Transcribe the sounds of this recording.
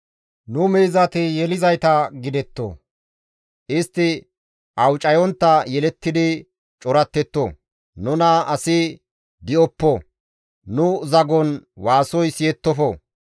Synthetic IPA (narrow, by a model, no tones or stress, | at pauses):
nʊmɛːzɐt̪ɪjɛlɪzɐjt̪ɐɡɪd̪ɛt̪ːo̰ | ʔɪst̪ːɪ | ʔɐwt͡ʃʼːɐjɔnt̪ːɐjɛlɛt̪ːɪd̪ɪ | t͡ʃʼɔɾɐt̪ːɛt̪ːɔ | nʊnɐɐsɪ | d̪ɪʔɔpːɔ | nʊzɐɡɔnwaːsɔjsɪjɛt̪ːɔfɔ